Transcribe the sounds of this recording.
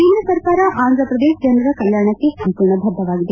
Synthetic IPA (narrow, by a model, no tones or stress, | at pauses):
iːnɐsɐɾkaːɾɐʔaːnd̪ʱɾɐpɾɐd̪eːʃd͡ʒɐnd̪ɾɐkɐljaːɾɳɐkːesɐmpuːɾɳɐbʱɐd̪ʱːɐʋaːɡid̪e